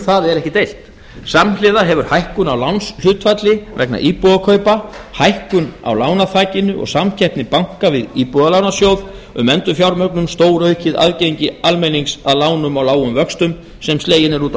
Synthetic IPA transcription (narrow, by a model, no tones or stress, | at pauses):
θaðɛɾɛhcɪt̪ejl̥t̪ | samlɪðaɦɛvʏɾ̥hajhkʏnawlawnshʏːt̪fat̪lɪvɛ̰kna̰ʔiːpuɣakʰœːɥpahajhkʏna̰wlaːwnaθaːcɪnʏʔɔ̰ɣsamcʰɛhpnɪpawŋ̥kavɪðiːpuðalawnasjowð | ʏ̰mɛnt̪ʏfjawɾmœknʏmst̪oːwɾœɥcɪða̰ðcejɲcɪalmejniŋsaðlaːwnʏmawlaːwʏmvœkst̪ʏm | sɛmsleːjɪnɛɾuːt̪